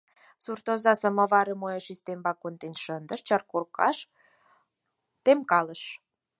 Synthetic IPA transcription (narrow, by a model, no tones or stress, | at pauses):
surt̪ozɑsəməβɑɾəmojeʃist̪embɑkont̪enʃənd̪ə̆ʃt͡ɕərkorkɑ̰ʃ | t̪emkɑləʃ